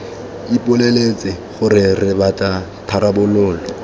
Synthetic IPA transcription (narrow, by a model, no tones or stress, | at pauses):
ipʼʊlelet͡sʼɪχʊɾɪrɪbatʼa | tʰaɾabʊlʊːlɔ